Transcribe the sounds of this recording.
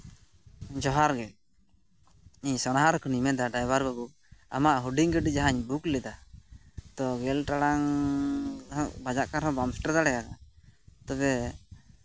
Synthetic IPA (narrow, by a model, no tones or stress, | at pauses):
d͡ʒɔɦaɾɡɛ | iɲsɔnaɦaɾkʰɔnimɛd̪aɖajbaɾbabu | a̰maʔɦuɖiŋɡəɖid͡ʒaɦaɲbuklɛd̪a | t̪ɔɡɛlʈaɽaŋ | ɦɔʔbad͡ʒaʔkaɾɦɔ̃bamsʈaɾd̪aɽɛɡakat̪ɔbɛ